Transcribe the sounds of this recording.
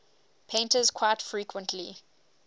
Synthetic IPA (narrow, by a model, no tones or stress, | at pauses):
pʰẽntəzkʰw̥aɪtfɹiːkwə̃ntʰlḭ